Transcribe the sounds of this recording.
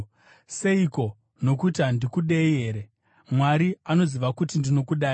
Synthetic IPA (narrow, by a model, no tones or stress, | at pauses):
seiko̞ | no̞kuitandikuɗejeːɾe | mwaɾiano̞ziʋakutindino̞kuɗaːi